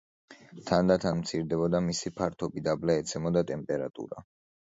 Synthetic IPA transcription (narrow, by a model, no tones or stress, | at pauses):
t̪ʰand̪at̪ʰanmt̪sʰiɾd̪ɛbɔd̪amisipʰaɾt̪ʰɔbid̪ablaɛt̪sʰɛmɔd̪at̪ʼɛmpʼɛɾat̪ʼṵɾa̰